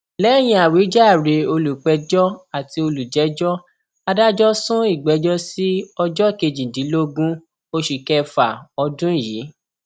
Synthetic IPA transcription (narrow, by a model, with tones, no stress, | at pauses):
lɛ˨˦˨j̃ĩ˧˦a˨wi˨˦d͡ʒa˦˨ɾe˧o˧lu˨k͡pɛ˧d͡ʒɔ˦a˨ti˧o˧lu˨d͡ʒɛ˨˦d͡ʒɔ˦ | a˧da˦d͡ʒɔ˦sũ˦i˦˨ɡ͡bɛ˨˧˦d͡ʒɔ˦si˦ɔ˧d͡ʒɔ˦˨ke˧d͡ʒĩ˨dĩ˨˦lo˦ɡũ˦ | o˧ʃi˨kɛ˧fa˨ɔ˧dũ˦˨jiː˨˦